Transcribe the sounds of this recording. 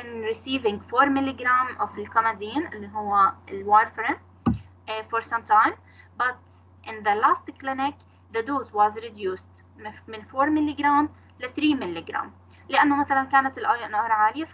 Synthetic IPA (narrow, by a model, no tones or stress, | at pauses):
ʔɪnɾɪsiːvɪ̃ŋɡfoːɾmɪlːiɡɾaːmʔʊfɪlkɔmad̪iːnʔɪlːiɦʊwːaɪlwoɾfɾɪn | fɔɾsãmt̪ãɪm | bat̪ | ʔɪ̃nðəlaːst̪klɪnɪk | ðəd̪uːzwɑːzɾɪd̪juːst̪ | mɪnfoːɾmɪlːiɡɾaːm | laθɾiːmɪlːiɡɾã̰ːm | lɪʔanːomaθalankaːnat̪ɪlʔaːjʊʔnahɾˤɑʕaːlɪja